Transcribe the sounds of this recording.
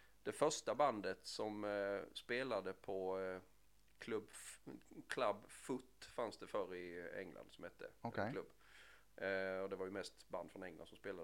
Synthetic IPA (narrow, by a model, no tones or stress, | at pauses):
d̪̥ɛfœʂʈaband̪ət̪sɔmspeːlad̪əpʰɔ | kʰlɵbː | kʰlabːfɵt̪ːfansd̪ɛfœɾɪɛ̰ŋlʔa̰nd̪sɔmhɛt̪ːək̪klɵbː | ɔd̪ɛvaɾjɵmɛst̪ba̰nd̪fɾɔnɛŋla̰nsɔmspeːlad̪